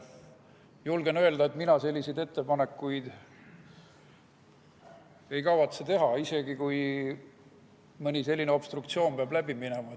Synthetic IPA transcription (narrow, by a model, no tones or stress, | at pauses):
julɡe̞nø̞e̞ld̪ɑet̪minɑse̞lʲːisejd̪e̞t̪ːe̞pɑne̞kːˑujd̪̥ | e̞jkɑvɑt̪set̪e̞ɦɑise̞ɡ̥ikuj | mɯnʲise̞lʲːineo̞b̥st̪rukt̪sio̞ːmpeɑblæb̥iminemɑ